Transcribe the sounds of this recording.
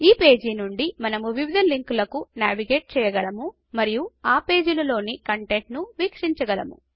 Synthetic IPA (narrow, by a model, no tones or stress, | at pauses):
iːpe̞ːd͡ʒiːnuɳɖimɐnɐmuʋiʋid̪ʱɐliŋklɐkunaːʋiɡe̞ːʈ̚t͡ʃɛːjɐɡɐɭɐmu | mɐɾijuaːpe̞ːd͡ʒulɐlo̞ːnikɐɳʈe̞ɳʈnuʋiːkʂiɲt͡ʃɐɡɐɭɐmṵ